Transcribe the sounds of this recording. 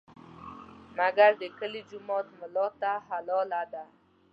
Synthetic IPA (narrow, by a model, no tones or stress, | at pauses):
maɡaɾd̪əkəlid͡ʒʊmɔt̪məlɔt̪aɦalɔlad̪a